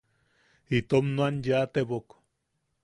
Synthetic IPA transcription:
it̪omnuanjat̪eβok

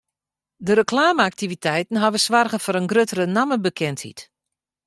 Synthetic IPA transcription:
dəɾəklaːməak̚tivitʰɛjtn̩ɦaʋəsʋarɣəfɔɾənɡrøtərənaməbəkʰɛnthḭt

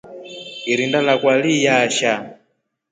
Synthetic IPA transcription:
iɾindalakwalijaʃa

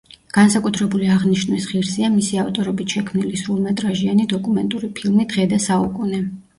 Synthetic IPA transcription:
ɡ̥ansakʼut̪ʰɾɛbuliaʁniʃnɛsχiɾsiamisiaft̪ʼɔɾɔbit̪ʰʃɛkʰmnilisɾulˠmɛt̪ʼɾaʒianid̪ɔkʼumɛnt̪ʼuɾipʰilˠmid̪̥ʁɛd̪asaukʼunɛ

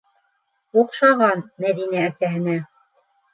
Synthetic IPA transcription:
uqʃɑʁɑnmæðinæːsæɦɘ̆næ

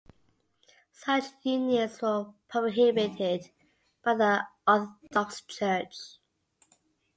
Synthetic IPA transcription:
sʌt͡ʃjʉnjəzwəpʰɹ̥əɦɪbɪtʰɪd | b̥aɪðiɔθd̥ɔkst͡ʃʰɜˑt͡ʃ

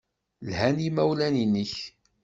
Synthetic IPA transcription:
lhænimæwlæniniç

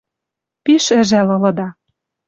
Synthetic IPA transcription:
piʃɘ̆ʒælɤ̆lɤ̆d̪ɑ

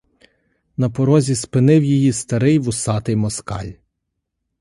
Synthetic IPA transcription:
nɐpɔɾɔzʲispɪnɪwjijist̪ɐɾɪjʋʊsɑt̪ɪjmɔskɑ̰lʲ

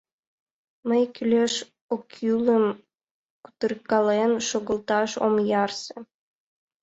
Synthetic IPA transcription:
məjkylʲeʃ | okjylˠə̆m | ku̥t̪ə̆rkɑlenʃoɣɤ̆lˠt̪ɑʃo̰mjɑrsĕ

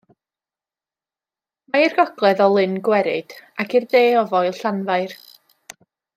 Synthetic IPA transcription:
mairɡ̥ɔɡ̥lˠɛðɔlˠɨnɡwɛɾɪd̥akʰirðeːɔvɔjlˠɬanvaɨr

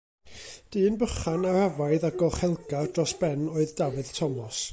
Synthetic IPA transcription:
d̥iːənbəχanahavaɨðaɡɔχɛlˠɡardrɔsb̥ɛnoːɨðdavɨð̥tʰɔmɔs

